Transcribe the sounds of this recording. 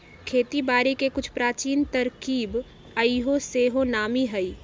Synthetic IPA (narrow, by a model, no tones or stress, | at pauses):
kʰeːt̪ibaːɾikekʊt͡ʃʰpɾaːt͡ʃiːnt̪ɐɾkiːb | əiɦoseːɦonaːmiɦəi